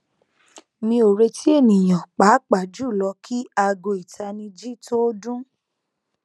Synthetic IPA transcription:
mĩ˧o˨ɾe˧ti˦e˦˨nĩ˨j̃ã˨k͡pa˨˦k͡pa˨d͡ʒu˦˨lɔ˧kʰi˦a˧ɡo˧i˨tʰa˧nĩ˧d͡ʒi˦to˦dũ˦

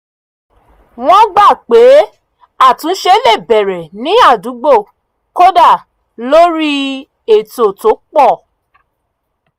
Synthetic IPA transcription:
w̃ɔ̃˦ɡ͡ba˦˨k͡pe˨˦ | a˦˨tũ˨˦ʃe˧˦le˦˨bɛ˨ɾɛ˨nĩ˨˦a˦˨du˨˦ɡ͡bo˦˨ | ko˦da˦˨ | lo˦ɾi˦ | e˨to˨to˨˦k͡pɔ˦˨

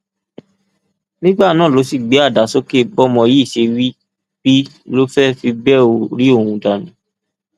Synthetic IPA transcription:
nĩ˦ɡ͡ba˦˨nãː˦˨lo˨˦si˦˨ɡ͡be˨˦a˦˨da˨˦so˦ke˦bɔ˦mɔ̃˧ji˦˨ʃe˧wi˦ | b̥i˦lo˦fɛ˦fi˧bɛ˦˨o˨ɾi˦o˦˨ũ˧da˨nĩ˨˦

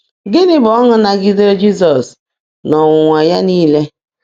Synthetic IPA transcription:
ɡɪ˦nɪ˦bɔ˦ŋʊ˦na˨ɡɪ˦de˦ɾe˦d͡ʒi˦s̬ɔ˨s | nɔ˨ŋʊ˨ŋʷa˨ja˦niː˦le˦

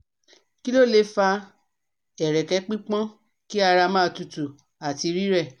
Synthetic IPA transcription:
ki˦lo˦˨le˧˦fa˧ | ɛ˨ɾɛ˨kɛ˨˦k͡pĩ˦k͡pã˦ | ki˦a˧ɾa˧mãː˦˧tu˨tu˨ | a˨ti˧ɾi˦ɾɛ˦˨

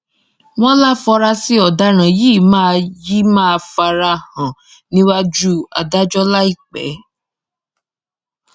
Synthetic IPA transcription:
w̃ɔ̃˦la˦fɔ˧ɾa˧si˦ɔ˨da˦ɾ̃ã˨jiː˦˨mãː˦˧ji˦mãː˦˧fa˧ɾa˧hã˨ | nĩ˦wa˦d͡ʒu˦a̰˨da˦d͡ʒɔ˦la˦i˦˨k͡pɛ̰˨˦

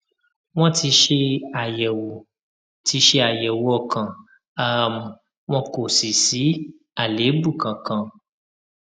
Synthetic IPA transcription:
w̃ɔ̃˦ti˧ʃe˦a˨jɛ˨wo˨ | ti˧ʃe˦a˨jɛ˨wu˨˦ɔ˦˨kã˨ | a˦˨m˨ | w̃ɔ̃˦ko˨si˨si˨˦ | a˨le˨˦bu˦˨kã˨kã˨

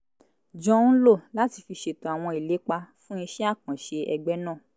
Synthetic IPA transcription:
d͡ʒɔ̃˦n̩˦lo˦˨la˦ti˧fi˧ʃe˦to˨a˨w̃ɔ̃˧i˨le˨˦k͡pa˧fũ˦ĩ˧ʃɛ˦a˦˨kã˨ʃe˧ɛ˧ɡ͡bɛ˦nã˦˨

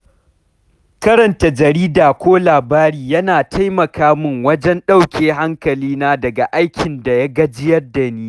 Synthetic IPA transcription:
kɐ˦ɾɐ˨nta˨d͡ʒɐ˨ɾiː˦daː˨kʷoː˦laː˨baː˦ɾiː˦jɐ˦naː˨tʰa˦jmɐ˨kaː˦mɪ˦ŋwɐ˦d͡ʒɛ˦nɗa˦˨wkʲeː˦ha˦ŋkɐ˨liː˦naː˦dɐ˨ɡa˨ʔa˦jkʲʰɪ˨nda˨ja˦ɡɐ˦d͡ʒɪ˦jɐ˦rda˨niː˦

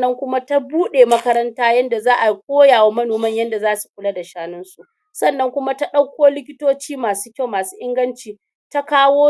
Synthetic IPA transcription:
ɐ˦ŋkʷʊ˦ma˦ta˦buː˦ɗeː˨mɐ˦kɐ˦ɾɐ˦ntaː˦jɐ˦nda˨zaː˦ʔa˨k̚ʷoː˦jaː˨wa˦mɐ˦noː˨mɐ˦˨ɲjɐ˦nda˨zaː˦su̥˨ɸʷʊ˦la˦da˨ʃaː˦nɪ˦nsu˨ʔ | sɐ˦˨nːɐ˦ŋkʷʊ˦ma˦ta˦ɗɐ˦kʷːoː˦lɪ˦kʲɪ˦toː˦t͡ʃiː˦maː˨su̥ː˦kʲa˦˨wmaː˨suː˦ʔɪ˦ŋɡɐ˦nt͡ʃiː˨ | ta˦kaː˦woː˦

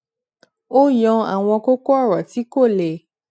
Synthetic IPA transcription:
o˦jɔ̃˧a̰˨w̃ɔ̃˧ko˦ko˦a˦˨wɔ˨ti˨˦ko˦˨le˨

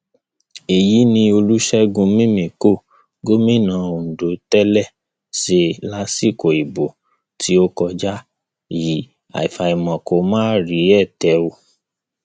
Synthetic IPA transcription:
e˨ji˨˦nĩ˧o˧lu˦ʃɛ˦ɡũ˧mĩ˦mĩ˨ko˦˨ | ɡo˦mĩ˦˨nã˨˦o˨do˨˦tɛ˦lɛ˦˨ | ʃe˧la˦si˦˨ko˨i˨bo˨ | ti˦o˦kɔ˧d͡ʒa˦ | ji˨˦ | a̰˨i˨fa˨i˨mɔ̃˨ko˨˦mãː˦ɾi˨˦ɛ˦˨tɛ˨˦o˧˦

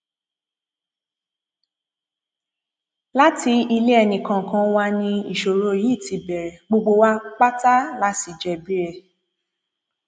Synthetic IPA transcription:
la˦ti˧i˧le˦ɛ˧nĩ˨kã˨kã˧˦wa˧nĩ˧i˨ʃo˨ɾo˧˦˨ji˦˨ti˨˧bɛ˨ɾɛ˨ɡ͡bo˧ɡ͡bo˧wa˦k͡pa˦ta˦la˦si˧˨d͡ʒɛ˨bi˦ɾɛ˧˨

